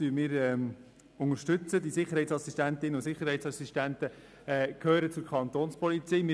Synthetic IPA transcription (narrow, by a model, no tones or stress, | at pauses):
yːmɪːɾɛːm | ʊŋəɾʃtʏt͡səd̪isɪχəɾhɛɪtsɑsistænt̪ɪnəʊsɪχːəɾɦɛɪtt͡ssɑsistænt̪ə | ɛkʰøːɾət͡sʊɾkʰχɑnt̪oːnspɔlit͡siːmɪ